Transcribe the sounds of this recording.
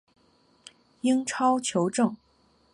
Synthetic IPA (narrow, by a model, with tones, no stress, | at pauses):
i˥ŋʈ͡ʂʰɑ˥ʊt͡ɕʰjo˧˥ʊʈ͡ʂɤ˥˩ŋ